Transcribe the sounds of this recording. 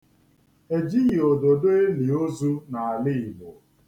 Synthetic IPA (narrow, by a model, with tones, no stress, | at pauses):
e˨d͡ʒi˦jo˨do˨do˦e˦li˨o˦zu˦na˨a˨lɪ˦˨mo˨